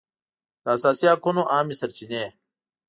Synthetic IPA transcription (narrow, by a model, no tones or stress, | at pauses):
t̪aːsaːsijaːkʰonoʔaːmisɐɾt͡ɕineː